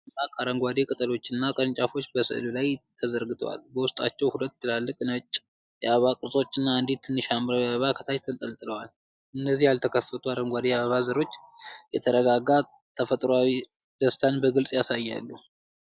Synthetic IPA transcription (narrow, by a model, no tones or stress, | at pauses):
akʼaɾəŋɡʷad̪ekʼɨt̪ʼəlo̞t͡ʃːɨnːakʼəɾnt͡ʃʼafo̞t͡ʃːbəsɨ̰ʔlulajt̪ʰəzəɾɡɨt̪ʼʰo̰wa̰lbəwʊst̪ʼa̰t͡ʃːɛwhulət̪ːɨlalːɨkʼnət͡ʃʼː | jaββakʼɨɾsʼo̞t͡ʃːɨnːaɨnd̪it̪ʰːɨnːɨʃambɾawiaβəβakʰət̪ʰaʃt̪ʰənt̪ʼəlt̪ʼɨləwal | ʔɨnːəzːihjalt̪ʰəkʰəfːət̪ʰuaɾəŋɡʷad̪ejaβəβazəɾo̞t͡ʃːjɛt̪ʰəɾəɡaɡa | t̪ʰəfət̪ʼɾwawi | d̪̥əst̪ʰanbəɡɨlsʼjasajːa̰lːu